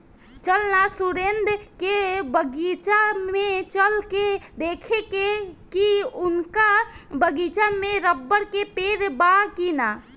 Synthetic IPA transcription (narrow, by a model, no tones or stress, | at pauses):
t͡ʃəlnasuɾend̪ʱkebəɡit͡ʃamet͡ʃəlked̪ekʰekekiunkabəɡit͡ʃameɾəbːəɽkepeɾbakina